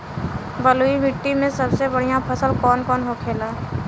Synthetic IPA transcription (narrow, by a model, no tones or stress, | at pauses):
bəloːimɪʈːimẽsəbsebəɽ̤ijãpʰəsəlkɔːnkɔːnɦokʰeːlaː